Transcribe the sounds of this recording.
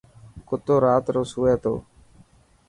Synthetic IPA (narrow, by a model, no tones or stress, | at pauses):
kʊt̪oːɾaːt̪ɾoːsɦuːeːt̪o̰ː